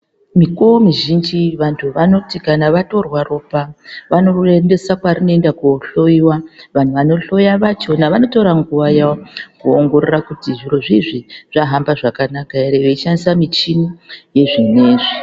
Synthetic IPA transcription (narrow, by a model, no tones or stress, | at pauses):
mikomiʒind͡ʒiʋantʰuʋano̞tikanaʋato̞rwaro̞paʋano̞ende̞sakwarino̞endakuɬo̞iwaʋan̤uʋano̞ɬo̞jaʋat͡ʃo̞naʋano̞toɾaŋɡuʋajaokuoŋɡo̞rerakutiʐiroʐiʐiʐ̥aɦambaʐakanakaeɾeʋe̞it͡ʃanisamit͡ʃinuje̞ʐine̞ːʐi